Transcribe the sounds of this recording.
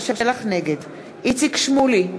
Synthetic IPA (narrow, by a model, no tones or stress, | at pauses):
ʃaelaχneɡed̪ | it͡sikʃmuli